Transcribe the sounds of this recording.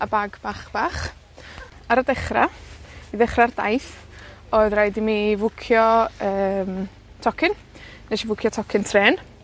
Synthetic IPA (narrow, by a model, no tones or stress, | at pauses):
abaɡbaχb̥aːχ | aɾədɛχraiðɛχrarda̰jθ | ɔːɨðrajdimivʊkʰjɔəːm | tʰɔkʰɪn | neʃivʊkʰjɔtʰɔkʰɪntʰrɛːn